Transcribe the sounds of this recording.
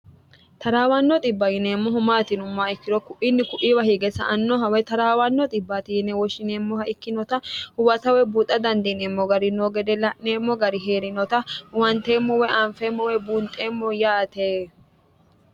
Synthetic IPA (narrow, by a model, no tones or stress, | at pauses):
t̪ɐɾaːwɐnːɔt̪ʼɪbːɐjɪneːmːɔɦʊmaːt̪ɪnʊmːaːɪkːɪd̪ɔkʊʔinːɪkʊʔiwɐhiɡɛsɐ̰ʔɐnːɔɦɐwɛt̪ɐɾaːwɐnːɔt̪ʼɪbːaːt̪ɪjɪnɛwɔʃɪneːmːɔhɐʔɪkːɪnɔt̪ɐhʊwɐt̪ɐwɛbuːt̪ʼːɐd̪ɐnd̪ineːmːɔɡɐɾɪnoɡɛd̪ɛlɐʔneːmːɔɡɐɾɪɦeːɾɪnɔt̪ɐwɐnt̪eːmːɔwɛʔɐɱfeːmːɔwɛbuːnt̪ʼeːmːɔjaːt̪eː